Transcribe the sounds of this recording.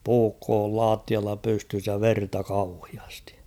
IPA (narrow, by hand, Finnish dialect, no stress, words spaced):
puːkːoː ol lɑːtːiɑlːɑ pystys jɑ ʋertɑ kɑuhiɑsti̥